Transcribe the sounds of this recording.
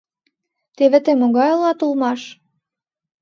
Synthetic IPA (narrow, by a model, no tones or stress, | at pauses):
t̪eβeɘ̆t̪emoɣɑjɤlɑt̪ulmɑʃ